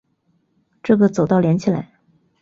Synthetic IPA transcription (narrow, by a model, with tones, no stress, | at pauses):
ʈ͡ʂɤ˥˩ɡə˩t͡so˨˩ʊt̪ɑ˥˩ʊljɛ˧˥nt͡ɕʰi˨˩la̰˧˥ɪ